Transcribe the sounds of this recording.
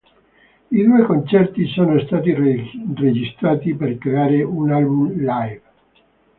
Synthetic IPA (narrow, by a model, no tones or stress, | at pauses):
id̪uːekont͡ʃɛrt̪isoːnost̪aːt̪ired͡ʒist̪ɾaːt̪iperkɾeaːɾeunalbumlajv